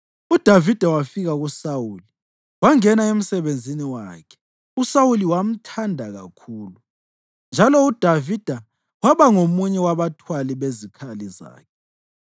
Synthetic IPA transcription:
ud̥ʱavid̥ʱawafiɣaɣusawuːli | waŋɛnaem̩sɛβend͡zʱiniwaːkʰɛ̥ | usawuliwam̩tʰandʱaɣa̰kʰuːlu | nd͡ʒʱalɔud̥ʱavid̥ʱa | waβaŋomuɲɛwaβatʰwaliβezikʰaliza̰ːkʰɛ̥

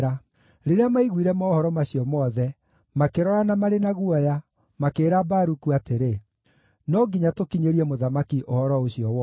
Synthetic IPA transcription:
a | ɾeɾeamaiɣwiɾɛmaɔhɔɾɔmaɕijɔmɔðɛ | makeɾɔɾanamaɾenaɣwɔja | makeːɾabaːɾukuateɾe | nɔɡiɲatokiɲeɾiɛmoðamakiʔohɔɾɔoɕiɔwɔ

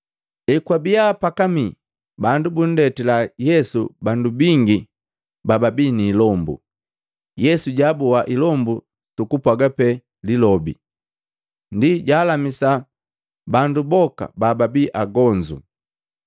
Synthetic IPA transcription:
ɛkwabijapakami | bandubun̩dɛtilajɛsubandubiŋɡi | bababiniːlɔmbṵ | jɛsuɟabɔwaʔilɔmbu | tukupwaɡapɛ | lilɔbḭ | ndiɟaːlamisa | bandubɔka̰bababiʔaɡɔɲd͡ʒṵ

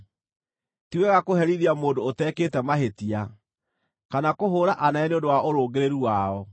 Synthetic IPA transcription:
tiwɛɣakohɛɾiðiamoːndoːtɛːkeːtɛmaɦetia | kanakoɦoːɾaʔanaɛneondowaʔoɾoːɡeɾeɾuwaɔ

